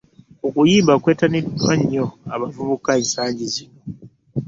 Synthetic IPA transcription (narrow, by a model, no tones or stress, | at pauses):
okujiːmbakwe̞ːtanidwa̰ɲːo̞aβavuβukaensaːɲɟizino